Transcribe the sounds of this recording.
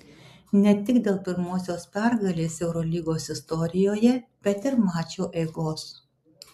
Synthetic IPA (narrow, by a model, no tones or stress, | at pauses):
nʲɛt̪ʲɪkd̪ʲeːlˠpʲɪɾmoːsʲoːspʲɛɾɡɐlʲeːsɛʊɾɔlʲiːɡoːsɪst̪ɔɾʲɪjoːjɛb̥ʲɛt̪ɪɾmɑːt͡ʃʲoːʔɛɪɡoːs